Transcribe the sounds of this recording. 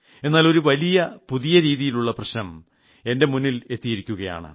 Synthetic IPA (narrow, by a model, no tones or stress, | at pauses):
e̞nːaːlo̞ɾuʋɐlijɐpuðijɐɾiːðijiluɭːɐprɐɕnɐm | e̞nde̞munːile̞t̪ːijiɾikʲːuɣɐja̰ːɳɨ̰